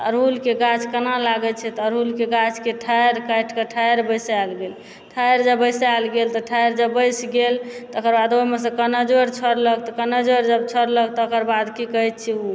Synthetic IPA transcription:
a̰ɾɦulkeɡat͡ʃkənalaɡɛt͡ʃʰɛt̪ɔɾɦulkeɡat͡ʃkeʈʰajɾkajʈʰkeʈʰajɾbəjsalɡel | ʈʰajɾd͡ʒəbəjsalɡelt̪ɔʈʰajɾd͡ʒəbəjsɡelt̪ɔokəɾbad̪oɦimes̬ə̃kənəd͡ʒoɾt͡ʃʰəɾləkt̪ɔkənəd͡ʒoɾd͡ʒəbt͡ʃʰəɾlək̚t̪ɔokəɾbad̪kikəɦɛt̪̚t͡ʃʰiu

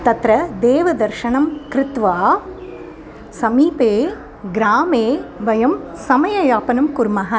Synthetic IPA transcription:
t̪ɐt̪ɾɐd̪eːʋɐd̪ɐɾʃɐɳɐmkɾɪt̪ʋaː | sɐmiːpeː | ɡɾaːmeːʋɐjɐmsɐmɐjɐjaːpɐnɐmkʊɾmɐɦɐ

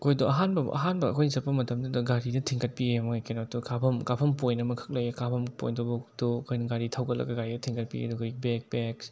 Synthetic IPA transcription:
kʰojdoɐɦanbɐʔɐ̰ɦanbɐ̰ːkʰojnzɐpʰːɐmɐtɐmdɐdɐɡaɾidɐtʰiŋkʰɐt̚piemoekenotukapʰɐmkapʰɐmpojnɐmɐkʰɯ̥k̚lɐjekapʰɐmpo̰jndɔbɔtokʰojnɐɡaɾitʰawɡɐlɐ̰ɡɐɡaɾidɐtʰiŋkɐt̚pḭḛdɔɡojbek̚beks

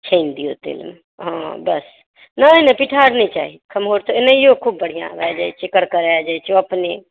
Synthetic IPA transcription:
t͡ʃʰəɪnd̪ijo̰t̪ḛlme | ɦãbəs | nənəpiʈʰaːɾnĩt͡ʃa̰ːɦikʰəmɦoːɾt̪onəijokʰubːəɽ̤ijã̰ɾad͡ʒaːjt͡ʃʰekəɽkəɾaad͡ʒajt͡ʃʰoɐpne

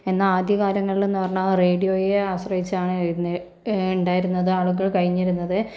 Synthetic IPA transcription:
e̞nːɐaːd̪ʱjɐɣaːɾɐŋːɐɭilunɐʋɐrɐɳareːɖijo̞ːjeaːʋɐɕrɐhit͡ɕːaːɳnː | uɳɖaːjiɾunːɐðɨaːɭuɣɐɭkɐɻiɲːiɾunːɐðɨ

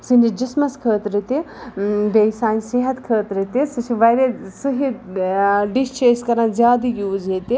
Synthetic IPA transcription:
sind͡ʒid͡ʒismɐskʰəːt̪ɾit̪i | beːsaːnsiɦɐt̪kʰəːt̪ɾit̪isɨt͡ʃʰiʋɐjɾesuɦi | ɖist͡ʃeːskɐɾãnzʲjaːd̪ijuːzet̪i

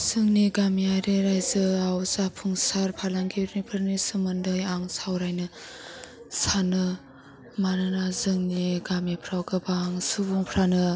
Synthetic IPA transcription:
z̥ɯŋniɡamiajɾeɾajzɯawzapʰuŋsaɾpʰalaŋɡeɾnipʰɯɾnisɯmɯndɯjaŋsawɾajnɯ | sanɯ | manɯnazɯŋniɡamepʰɾawɡɯbaŋsubuŋpʰɾanɯ

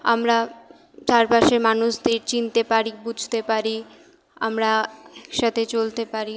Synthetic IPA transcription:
a̰mɾa | t͡ɕaɾpaʃeɾmanuʃd̪eɾt͡ɕint̪epaɾibud͡ʑʱt̪epaɾi | a̰mɾaɛkʃat̪ʰet͡ɕolt̪epaɾi

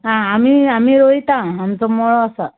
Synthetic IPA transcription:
ɦãamiamiɾoit̪ãamt͡sɔmɔɭɔəsa

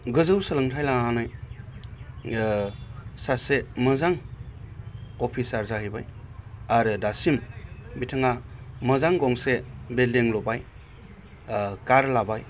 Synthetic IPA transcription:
ɡɯzɯwsɯlɯŋtʰajlaanaj | saseməzaŋ | ɔpʰisaɾzaɦɯjbajaɾɯdasimbitʰɯŋaməzaŋɡɔŋsebeldiŋlɔbaj | kaɾlabaj

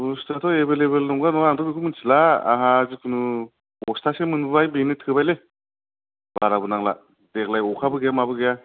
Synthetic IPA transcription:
bustʰatʰɔebeleβelnɔŋɡanɔaŋdʰɔbikʰɯmɯnsʰilaa̰ɦazɯkʰunɯ | ɔstʰasemɯnbɯbajbenɯtʰɯbajle | baɾabɯnaŋla̰ | dek̚lajɔkʰabɯɡejamabɯɡeja

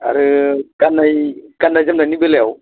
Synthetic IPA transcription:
a̰ɾɨkanːajkanːad͡ʒɐmnanibelɛw

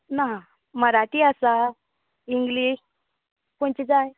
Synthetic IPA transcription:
naɦ | məɾaʈiasa | iŋɡliɕ | koɳt͡ɕid͡zaj

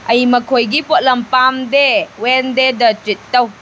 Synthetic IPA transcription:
ɐjmɐkʰojɡipot̚lɐmpamdewendedɐtɾitːɐw

